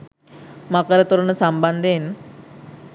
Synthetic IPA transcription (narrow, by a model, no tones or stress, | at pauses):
makəɾət̪uɾɳəsamband̪ʱen